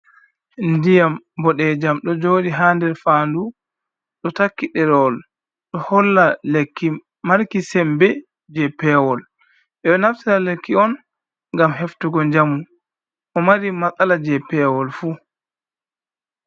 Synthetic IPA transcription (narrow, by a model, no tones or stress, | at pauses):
ndijam | bɔɗɛd͡ʒamɗɔd͡ʒoːɗiɦaːndɛɾfandu | ɗɔtakːiɗɛɾɔl | ɗɔhɔlːalekːi | maɾkisɛmbɛ | d͡ʒɛpɛwɔl | ɛɗɔnaftiɾalekːiɔn | ŋɡamɦeftuɡɔɲd͡ʒamun | ʔɔmaɾimat͡sʼalad͡ʒɛpɛwɔlfuː